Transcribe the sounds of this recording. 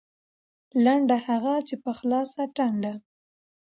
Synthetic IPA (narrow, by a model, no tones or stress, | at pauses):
laɳɖahaɣat͡ʃepəxlɑsaʈaɳɖa